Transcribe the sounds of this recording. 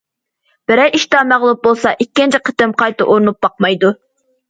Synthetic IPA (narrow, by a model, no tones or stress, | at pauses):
b̥ɪɾɛjiʃt̪ɑːmæʁlˠup̚bolˠsɑʔikʲːint͡ʃʰiqʰə̥t̪ɪmqʰɑjt̪ɨʔoɾnup̚bɑqmɑjd̪u